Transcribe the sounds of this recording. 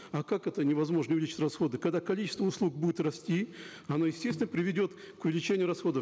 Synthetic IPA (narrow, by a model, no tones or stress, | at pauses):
ɐkakɛt̪ənʲɪvɐzmo̞ʐnəʊvɪlʲit͡ɕɪ̥tʲrɐsxo̞d̪ɨkɐɡd̪akɐlʲit͡ɕɪ̥st̪vəʊslˠuk̚budʲɪt̪rɐsʲtʲi | ɐnojɪsʲtʲesʲt̪ʲɪnəpɾʲɪvʲɪdʲo̞t̪ | kʊvʲɪlʲɪt͡ɕenʲɪjʊɾɐsxo̞d̪ə